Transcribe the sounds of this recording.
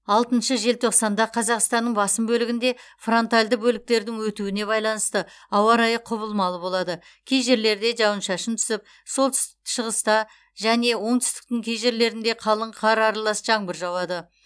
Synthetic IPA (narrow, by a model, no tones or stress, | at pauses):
ɑlˠt̪ənʃəʒe̞lt̪ʰo̞qsɑnd̪ɑqʰɑzɑqst̪ɑnːəɴbɑsəmbɵlɪɡʲɪnd̪e̞fro̞nt̪alʲd̪əbɵlɪk̚t̪e̞ɾd̪ɪŋwɵt̪uwɪne̞βɑjlˠɑnəst̪ə | ɑwɑɾɑjəqʰʊβəlˠmɑlˠəbo̞lˠɑd̪ə | kʲʰejʒe̞ɾle̞ɾd̪e̞ʒɑwənʃɑʃənt̪ʰʏ̥sɪp̚ | so̞lˠt̪ʰʏ̥st̪ɪʃəʁəst̪ɑ | ʒæne̞wo̞ɴt̪ʰʏ̥st̪ɪ̥k̚t̪ɪŋkʲʰejʒe̞ɾle̞ɾɪnd̪e̞qʰɑlˠəɴqʰɑɾɑɾɑlˠɑsʒɑŋbəɾʒɑwɑd̪ə